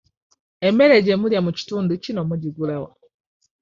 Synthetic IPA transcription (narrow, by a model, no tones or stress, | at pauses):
eme̞ɾeɟemuljamuci̥tuːnducino̞muɟiɡulawa